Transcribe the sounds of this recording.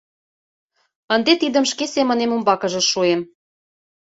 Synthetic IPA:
ə̆nd̪et̪id̪ə̆mʃkesemə̆nemumbɑkɤ̆ʒɤ̆ʃuem

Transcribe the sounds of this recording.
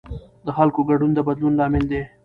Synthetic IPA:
d̪əxalkoɡaɖund̪əbad̪lunlɑmɪld̪e

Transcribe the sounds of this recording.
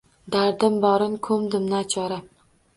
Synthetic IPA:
d̪aɾd̪ɪmbɒɾɪnkʰɵmd̪ɪmnat͡ʃʰɒɾa

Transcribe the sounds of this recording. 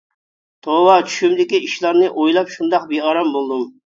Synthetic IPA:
t̪ʰowɑt͡ʃʰy̥ʃymd̪ɪkʲiiʃlˠɑɾnɨʔojlˠɑpʃund̪ɑqbeɑɾɑmbolˠd̪um

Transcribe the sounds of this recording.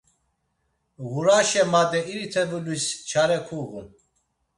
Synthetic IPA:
ɣuɾaʃɛmad̪ɛiɾit̪ʰɛvulust͡ʃʰaɾɛkʰuɣun

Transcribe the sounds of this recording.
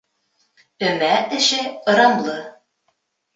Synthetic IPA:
ɵ̆mæɘ̆ʃɘɤ̆ɾɑmlˠɤ

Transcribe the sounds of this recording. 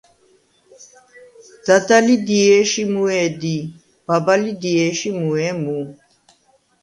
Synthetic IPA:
d̪̥ad̪alid̪iɛːʃimuɛːd̪i | b̥abalid̪iɛːʃimuɛmu

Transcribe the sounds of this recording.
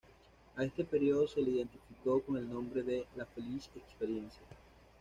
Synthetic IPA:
ae̞st̪e̞peɾjo̞ðoseleiðe̞nt̪ifikokone̞lnõ̞mbɾe̞ðelafelisekspeɾje̞nsja

